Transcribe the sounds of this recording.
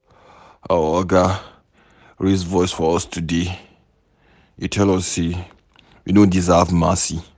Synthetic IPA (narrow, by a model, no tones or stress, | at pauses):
a̰ɔɡa | ɹisvɔɪsfɔɔstʰude | itʰɛlɔse | jinodizavmasi